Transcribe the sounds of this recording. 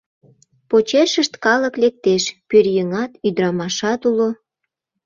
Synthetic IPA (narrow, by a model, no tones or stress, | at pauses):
pot͡ɕeʃəʃt̪kɑləklek̚t̪eʃpyrjəŋɑt̪yd̪ɾɑmɑʃɑt̪ulo